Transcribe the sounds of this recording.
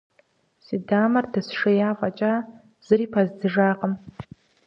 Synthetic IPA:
sidamɐrdɨsʂɨjafʷʼat͡ʃʼa | z̥ɨɾipʰazdɨʐaqʼəm

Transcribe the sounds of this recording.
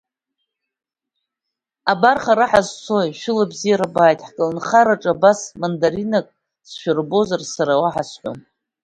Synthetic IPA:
abarχaɾaħazt͡sʰo̞jʃᶣʊlabzijaɾabaːjtʼħkʼɨlnχaɾaʈ͡ʂʼabasmandaɾinakʼ | sʃᶣarbo̞zarsaɾawaħasħʷo̰n

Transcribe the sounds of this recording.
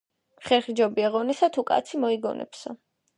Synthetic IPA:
χɛɾχid͡ʒɔbiaʁɔnisat̪ʰukʼa̰t̪sʰimɔiɡɔ̰nʔɛ̰psa

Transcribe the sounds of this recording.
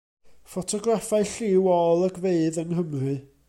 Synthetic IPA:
fɔtʰɔɡrafaɨɬɪwɔlˠəɡveɨðənɦəmrɨ

